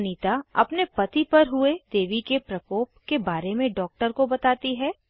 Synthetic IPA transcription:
niːt̪aɐ̰pnepɐt̪ipɐɾɦʊed̪eːʋikepɾɐkoːp̚kebaːɾemẽɖɔːk̚ʈəɾkobɐt̪aːt̪iɦɛː

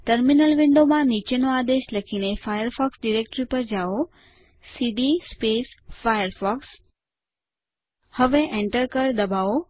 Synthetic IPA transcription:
ʈəɾminəlʋɪ̃ɳɖomãnit͡ʃenoad̪eʃləkʰinefajəɾfɔksɖiɾek̚ʈɾipəɾd͡ʒao | siɖispesfajəɾfɔks | həʋeʔẽɳʈəɾkəɾd̪əbao

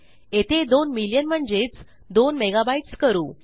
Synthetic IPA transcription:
et̪ʰed̪onmiljənm̤əɳd͡ʑet͡s | d̪onmeɡabaiʈskəɾuː

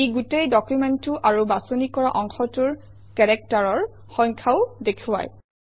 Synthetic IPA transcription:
ejɡutejdɔkjumɛntʊʔaɹubasonikɔɹaʔɔŋxɔtuɹ | kɛɹɛk̚taɹɔɹ | xɔ̃jŋkʰaʊdekʰuwa̰j

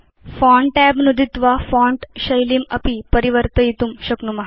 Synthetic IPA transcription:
fɔ̃ɳʈɛbnud̪ʱit̪ʋafɔ̃ɳʈɕɐjlimɐpipəɾiʋəɾt̪əjit̪umɕɐknumɐɦ

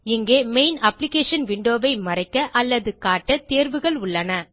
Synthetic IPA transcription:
ɪŋɡeːmeɪnɐplɪkeːʂɐnʋɪɳɖoːʋɐɪmɐrɐɪkːɐʔɐlːɐðɯkaːʈːɐt̪eːɾʋɯɣɐɭʊɭːɐnɐ

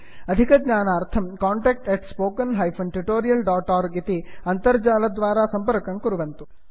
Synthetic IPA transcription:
ɐd̪ʱikɐɡɲaːnaːɾt̪ʰɐmkaːɳʈeːk̚ʈeʈspoːkɐnɦɐjpʰɐnʈuʈoːɾijɐlɖaːʈaːɾɡit̪iɐnt̪ɐɾd͡ʒaːlɐd̪ʋaːɾaːsɐmpɐɾkɐŋkuɾuʋɐnt̪u

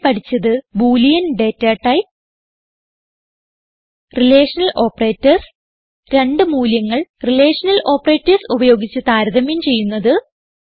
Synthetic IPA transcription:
pɐʈʰit͡ɕːɐðɨbuːlijɐnɖe̞ːtːaːʈːɐj | rile̞ːʂɐnɐlʔo̞ːpːɐre̞ːtːɐrs | ɾe̞ɳɖɨmuːljɐŋːɐɭrileːʂɐnɐlʔo̞ːpːɐre̞ːtːɐrsubɐjo̞ːɡit͡ɕːut̪aːɾɐðɐmjint͡ɕe̞jːunːɐðɨ

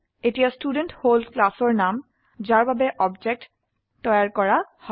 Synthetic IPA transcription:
etijastudentholklasɔɹnam | zaɹbabɛʔɔbd͡ʒɛk̚tː | ɔjaɹkɔɹahɔ

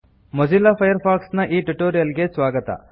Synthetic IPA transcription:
mɐd͡ʒilːapʰɐjɐɾpʰaːksnɐʔiːʈuʈoːɾijɐlɡesʋaːɡɐt̪ɐ̰

